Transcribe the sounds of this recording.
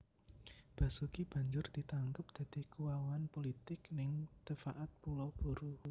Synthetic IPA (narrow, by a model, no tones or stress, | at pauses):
b̥a̤sukib̥a̤ɲd͡ʒʊrd̪̥i̤t̪aŋkəp̚d̪̥a̤d̪̥i̤kuwawanpolit̪ɪknɪŋt̪əfaʔat̪̚pulab̥ṳɾu